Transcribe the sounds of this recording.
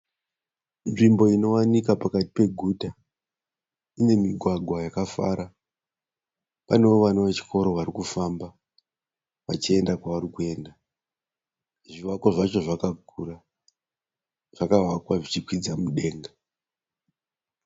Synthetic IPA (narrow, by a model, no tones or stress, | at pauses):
nʐimbo̞ino̞wanikapakati̥pe̞ɡʱuta | ine̞miɡʱwaɡʱwajakafa̰ɾa | pane̞oʋanoʋet͡ʃi̥kʰo̞ɾo̞ʋaɾikufamba | ʋat͡ʃie̞ndakwaʋaɾikue̞nda | ʐiʋako̞ʐat͡ʃo̞ʐakakura | ʐ̥akawakwaʐit͡ʃikwid͡zamuɗe̞ːŋɡa